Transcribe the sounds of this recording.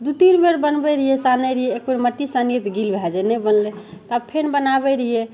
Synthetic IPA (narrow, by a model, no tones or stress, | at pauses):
d̪ut̪iɾmeɾbənbɛɾiɦesanəɾəɦeek̚meɾməʈːisanijet̪ɡilbʱɛd͡ʒɛnɛbənlet̪abpʰenbənabɛɾəɦije